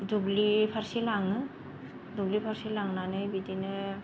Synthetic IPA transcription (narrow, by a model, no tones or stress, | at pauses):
duɡlipʰaɾsilaŋɯ | duɡlipʰaɾsilaŋnanɯjbidinɯ